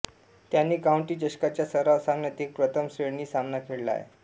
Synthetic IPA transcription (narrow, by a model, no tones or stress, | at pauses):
t̪janːiːkawɳʈiːd͡ʑəɕkat͡ɕjasəɾasaŋnət̪iːk̚pɾət̪ʰəmsɾeɽniːsamnakʰeɽla̰jḛ